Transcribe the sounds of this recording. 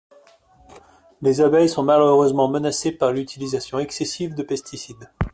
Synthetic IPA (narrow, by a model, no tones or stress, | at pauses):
lezabɛjsɔ̃maløʁøzmɑ̃mənasepaʁlyt̪ʰilizasjɔ̃ɛksɛsivd̪əpɛst̪isid̪